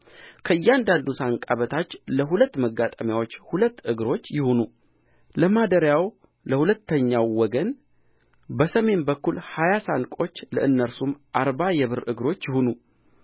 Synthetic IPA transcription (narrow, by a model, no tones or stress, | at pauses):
kʰəɨjːɛand̪and̪usaŋkʼaβət̪ʰat͡ʃːləɦulət̪ːməɡat̪ʼəmjawo̞t͡ʃːhulət̪ːɨɡɾo̞t͡ʃːjɪhonu | ləmad̪əɾjaw | ləhulət̪ʰːəɲːawːɔɡən | bəsəme̞nbəkːulhajasankʼo̞t͡ʃːləʔɨnːəɾsumʔaɾbajɛβɨɾɨɡɾo̞t͡ʃːjɪhonu